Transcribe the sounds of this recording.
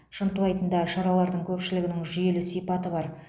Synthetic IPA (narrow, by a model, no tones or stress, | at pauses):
ʃənt̪uɑjt̪ənd̪ɑʃɑɾɑlˠɑɾd̪əŋkʲʰɵpʃɪlɪɡʲɪnɪŋʒʏje̞lɪsijpɑt̪əbɑɾ